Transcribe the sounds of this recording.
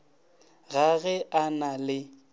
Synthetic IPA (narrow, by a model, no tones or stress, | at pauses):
ɣaɣɛʔanalɪ